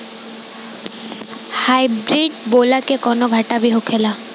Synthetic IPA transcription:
hajbɾiɖbolakekɔnoɡʱaʈabiɦokʰela

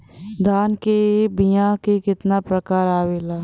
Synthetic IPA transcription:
d̪ʱaːnkebijãkekɪt̪napɾəkaːɾaːʋeːlaː

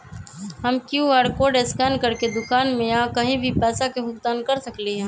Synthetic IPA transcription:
ɦɐmkjuɛːɽkoːɾɖeskɛːnkɐɾked̪ʊkaːnmẽakɐɦĩbʱipɛːsakeɦʊkt̪aːnkɐɾsəkliɦɛ̃ː

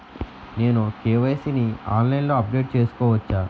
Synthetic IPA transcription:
ne̞ːnukeːʋɐjsinia̰ːnlɐjnlo̞ːɐp̚ɖe̞ːʈ̚t͡ʃe̞ːsu̥kɔːʋɐt͡ʃːaː

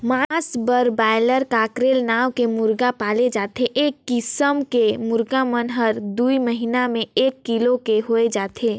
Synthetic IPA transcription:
masbəɾbajləɾkaːkɾelnaːwkemʊɾɡapaːled͡ʒaːt̪ʰeʔeːkːɪsəmkemʊɾɡamənɦəɾd̪uiməɦinamẽeːkːilokeɦoed͡ʒaːt̪ʰeː

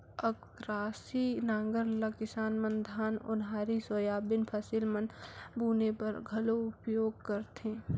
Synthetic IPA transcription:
ək | ɾaːsinãːŋɡəɾləkɪsaːnmənd̪ʱaːnʊ̰nɦaːɾisojaːbɪnpʰəsɪlmənbuːnepəɾɡʱɐloʊpjoːɡ̚kəɾt̪ẽː

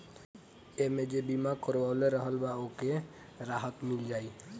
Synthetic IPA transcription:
emed͡ʒebimakəɾʋaleɾəɦəlbaoke | ɾaːɦət̪mɪld͡ʒaːiː

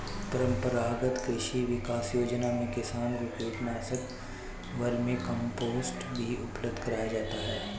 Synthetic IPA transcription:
pɐɾə̃mpəɾaːɡət̪kɾɪʃiʋɪkaːsjoːd͡ʒnamẽkɪsaːnkokuːʈnaːsək | ʋɐɾmẽkɐ̃mpoːzʈbʱiʊpləb̚d̪ʱkɐɾaːjad͡ʒaːt̪aɦɛː

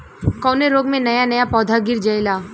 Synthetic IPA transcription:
kɔːneɾoːɡmẽnɐjanɐjapɔːd̪ʱaɡɪɾd͡ʒɐɪlaː

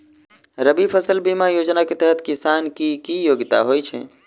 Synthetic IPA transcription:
ɾəbipʰəsəlbimajod͡ʒnaket̪ɛɦət̪kisankikijoɡt̪a̰ɦojt͡ʃʰɛ̰

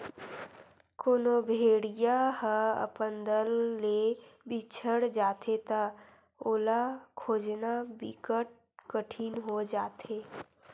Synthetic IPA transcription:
koːnobʱeːɽijaɦəə̰pənd̪əlːebit͡ʃʰəɽd͡ʒaːt̪ʰet̪a | oːlakʰoːd͡ʒnabikəʈ̚ | kəʈʰiːnɦod͡ʒaːt̪eː

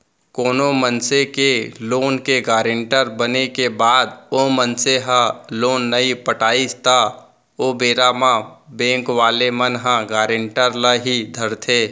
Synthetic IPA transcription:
koːnomənsekeloːnkeɡaːɾẽɳʈəɾbənekebaːd̪oːmənseɦãloːnːəipəʈaːist̪ʰa | oːbeːɾamãbẽːŋkʋaːlemənɦãɡaːɾɪ̃ɳʈəɾləɦid̪ʱəɾt̪ʰeː

